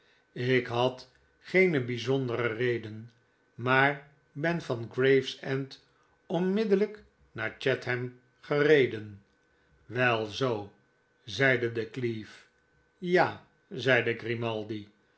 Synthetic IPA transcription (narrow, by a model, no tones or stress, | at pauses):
ɪkɦɑt | χejnəbizɔndəɾərejdən | maːɹ | bɛnvɑnɡrejfsɛnt | ɔnmɪdələk | naːɹt͡ʃɛtɦɛm | χərejdən | ʋɛlˠzow | zɛjdədəklif | jaː | zɛjdəɡrimɑlˠdi